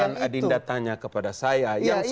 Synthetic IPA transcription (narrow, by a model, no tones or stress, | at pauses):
anadindat̪aŋɲakəpadasajajjaŋs